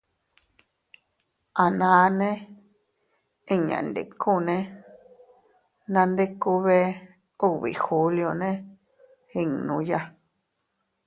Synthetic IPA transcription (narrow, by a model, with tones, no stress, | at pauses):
a˨nãː˨˧nẽ˦ | ĩ˧ɲã̰˨nd̪ḛ˨ku˦˨nẽ˦ | nã˧nd̪e˦ku˧βe˦ | u˦˧˨βḭ˨xu˧ljo˧nẽ˦ | hi˧ŋnũ˧ja˦